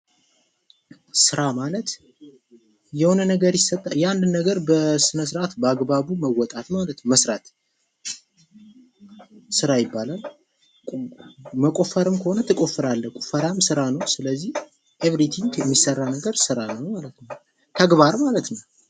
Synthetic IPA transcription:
sɨɾamalət̪ | jɛho̞nənəɡəɾjɪsːət̪ʼːajɛand̪ɨnːəɡəɾbəsɨnəs̬ɨɾʔat̪bəaɡbaβuməwːɔt̪ʼat̪malət̪məsɾat̪ | sɨɾajɪbːalalʼ | məkʼo̞fəɾɨmkʰəho̞nət̪ʰɨkʼo̞fɨɾalːəhkʼofəɾamsɨɾanəwsɨləzːih | ʔeβɾit̪ʰiŋkɛmːisərːanəɡəɾsɨɾanəwmalət̪nəw | t̪ʰəɡβaɾmalət̪nəw

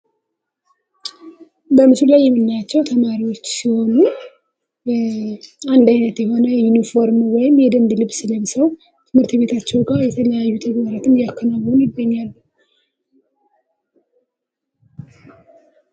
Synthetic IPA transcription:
bəmɨslulajːɛmːɨnːajat͡ʃːɛwt̪ʰəmaɾiwo̞t͡ʃːsiho̞nu | and̪ajnət̪jɛɦo̞nəjunifo̞ɾmwɔjɪmjɛd̪ənd̪lɨβsɨləmsəw | t̪ʰɨmhɨɾt̪be̞t̪ʰat͡ʃːɛwɡajɛt̪ʰələjajːut̪ʰəɡbəɾat̪ʰɨmjakʰːənaβunjɪɡːəɲːalː

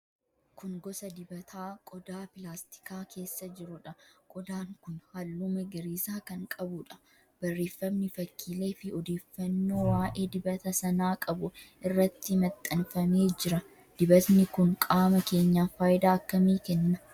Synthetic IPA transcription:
kʊŋɡɔsɐd̪ɪbɐt̪ʰaːkʼɔd̪aːpɪlaːst̪ɪ̥kaːkʰe̞ːsːɐd͡ʒɪɾʊᶑɐkʼɔd̪aːŋkʊnhalːuːmɐɡɐɾiːsaːkɐŋkʼɐbʊᶑɐ̥ | b̥ɐrːe̞ːfːɐmnɪfɐkʰːiːle̞ːfɪɔd̪eːfːɐnːo̞ːwaːʔe̞ːd̪ɪbɐt̪ɐsɐnaːkʼɐbʊɪrːɐt̪ːɪmɐt̪ʼːɐnfɐme̞ːd͡ʒɪɾɐ | d̪̥ɪbɐt̪nɪkʊŋkʼaːmɐke̞ːɲːaːfaːjɪd̪aːɐkːɐmiːkɛnːɐ

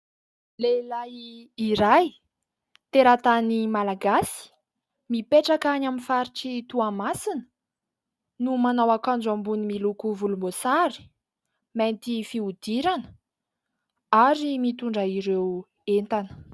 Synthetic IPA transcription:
lelaiiɾaj | t̪eɾat̪animalaɡasi̥ | mipeʈ͡ʂakanaminfaɾiʈ͡ʂit̪uamasinə̥ | numanawakand͡ʒambunimilukuvulumbosaɾi̥ | ment̪ifiud̪iɾanə̥ | aɾimit̪uɳɖ͡ʐəiɾew | ent̪anə̥

